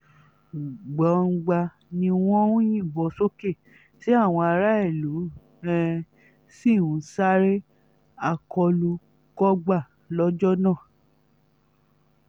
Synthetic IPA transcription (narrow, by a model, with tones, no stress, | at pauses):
ɡ͡ba˨˦˧ɡ͡ba˧ | nĩ˧w̃ɔ̃˦wũ˦jĩ˦˨bɔ˨so˦ke˦˨ | ti˦a˦˨w̃ɔ̃˧a˧ɾa˦e˦˨lu˨˦ | ɛ̃˦ | si˦˨ũ˨˦sa˦ɾe˦ | a˧˨kʰɔ˧lu˧ | kɔ˦ɡ͡ba˦˨ | lɔ˦d͡ʒɔ˦nãː˦˨